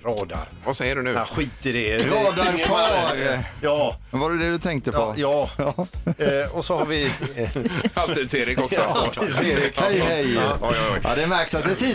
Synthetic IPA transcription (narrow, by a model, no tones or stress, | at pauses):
ɾɑːd̪a̰ɾvasɛjːəɖɵnʉ̟ːaɧiːt̪ɪdɛɾɑːd̪aɾkʰɑɾjɑːɛnvaɾɛd̪ɛd̪ɵt̪ʰɛŋk̚t̪əɔjɑː | ɔsɔhaɾvɪ | at̪id̪seːɾɪkɔksɔat̪ʰid̪seːɾɪkhɛjhɛjjʔa̰d̪ɛmæɾksat̪d̪ɛt̪ʰiː